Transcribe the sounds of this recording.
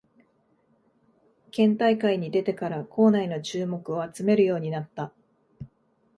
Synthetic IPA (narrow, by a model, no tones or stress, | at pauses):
kẽ̞nt̪aikaiɲ̟id̪e̞t̪e̞kaɾakʰo̞ːnaino̞t͡ɕɨːmo̞kɯ̟o̞at͡sɨme̞ɾɯ̟jo̞ːɲ̟inat̪ːa